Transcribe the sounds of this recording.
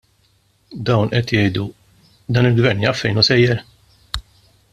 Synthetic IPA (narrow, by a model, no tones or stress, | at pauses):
d̪ɐwnʔɛt̪jɛjd̪u | d̪ɐːnɪlɡvɛɾniːjɐfːɛjnusɛjːɛɾ